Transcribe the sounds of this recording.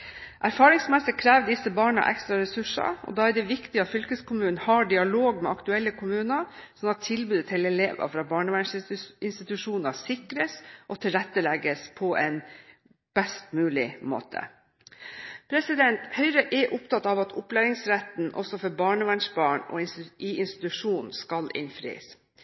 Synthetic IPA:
ʔæɾfɑːɾɪŋsmɛsɪkʰɾæːʋd̪ɪsəbɑːɳɑ̰ʔɛ̰kst̪ɾɑɾɛsʉʂɑ̰ɔ̰d̪ɑːæɖɛʋɪkt̪ɪɑt̪fʏlkəskʊmʉːnnhɑːɖɪɑloːɡmɛɑkt̪ʉɛlːəkʰʊmʉːnəsɔnːɑt̪ʰːɪlbʉːd̪ət̪ʰɛlɛleːʋə̰fɾɑːbɑːɳəʋænʂɪnst̪ɪt̪ʉʂuːnəsɪkɾəsʔɔt̪ʰɪlɾɛt̪ːəlɛɡəspʰɔʔɛn | b̥ɛst̪mʉːlɪmo̰ːt̪ʰə̰ | pʰɾɛsɪd̪ɛnt̪hœʏɾəʔɛʔʊpt̪ʰɑt̪ɑʋɑt̪ʰʊplæːɾɪŋsɾæt̪n̩ʔɔ̰sɔfɔɾbɑːɳəʋæɳʂbɑːɳɔ̰ɪiɪnst̪ɪ̥t̪ʉʂuːnnskɑlʔɪ̰nfɾḭːs

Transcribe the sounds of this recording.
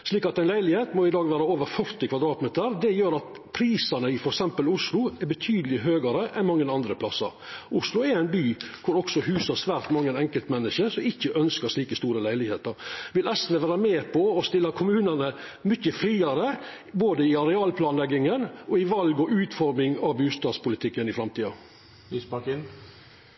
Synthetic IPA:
ʂliːkɑt̪æɪnlæɪlɪheːt̪mɔɪd̪ɑːɡʋæːɾəoːʋəɾfœɾt̪ɪkʰʋɑd̪ɾɑːt̪mɛːt̪əɾd̪ɛjøːɾɑt̪ | pʰɾiːsɑnəɪfɔɾɛksɛmpəlʊʂlʊɛɾbət̪ʰyːd̪əlɪɦøːɡɑɾəʔɛnmɑŋːənɑnd̪ɾəpʰlɑsːə̰ɾʊʂlʊɛɾæɪnbyːkʰʊɾɔksɔhʉːsɑsʋæːɾt̪mɑŋːənɛŋkəlt̪mɛnːɪʃəɾsɔmɪçːəʔœnskəʂɭiːkəst̪uːɾəlæɪlɪɡhḛːt̪əɾʋɪlɛst̪ɾəʋæːɾəmeːpʰɔɔst̪ɪlːɑkʰʊmʉːnənə | mʏçəfɾiːɑɾə | boːd̪əɪɑɾɛɑːlpʰlɑːnlɛɡɪŋənɔɪʋɑlɡɔʔʉːt̪fɔɾmɪŋɑʋbʉːst̪ɑːspʊlɪt̪ʰɪkːənɪfɾɑmt̪iːɑ | lyspɑkɪn

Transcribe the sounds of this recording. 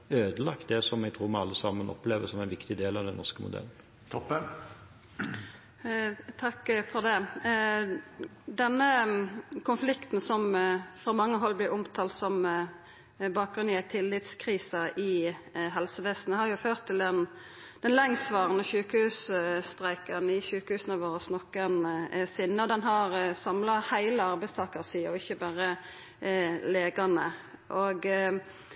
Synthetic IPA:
øːd̪əlɑkt̪̚d̪ɛsɔmɛɡ̚t̪ʰɾuːɾmɛɑlːəsɑmənɔ̰pleːʋəsɔmɛɪnʋɪkt̪ɪd̪eːlɑʋd̪ɛnɔ̰ʁʂkəmʊ̰d̪ɛ̰ln̩ | t̪ʰɔpːə | t̪ʰɑkːfɔʁd̪ɛ | d̪ɛnːə | kʰʊnflɪkt̪n̩sɔmfɾɑːmɑŋːəɦɔlːblɪɾʔʊmt̪ʰɑːlt̪sɔm | bɑːk̚ɡɾʉnɪæt̪ʰɪlːɪt̪skʰʁiːsɑɪɦɛlsəʋɛst̪n̩ɛhɑɾjʊføːʁt̪ʰːɪld̪ɛn | d̪̥ɛnlɛŋsʋɑːʁənəçʉːkəhʉːsst̪ɾæɪkɑnɪçʉːkəhʉːsn̩ɑʋoːɾəsnɔkːənsɪnːəɔd̪ɛnɦɑʁsɑmlɑhæɪləɑɾbæɪst̪ʰɑːkəʁsiːɔɪçːəbæːɾə | leːɡɑnəʔoɡ

